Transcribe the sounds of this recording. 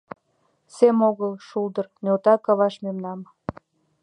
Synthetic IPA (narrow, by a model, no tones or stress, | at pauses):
semoɣəlˠʃuld̪ərnʲot̪ɑkɑβɑʃmemnɑm